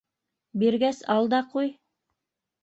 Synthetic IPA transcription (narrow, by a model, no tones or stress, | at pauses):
biɾɡæsɑlˠd̪ɑquj